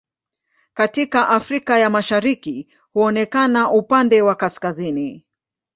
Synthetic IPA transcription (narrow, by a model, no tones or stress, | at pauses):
katikaʔafɾikajamaʃaɾiki | huɔnɛkanaʔupandɛwakaskazini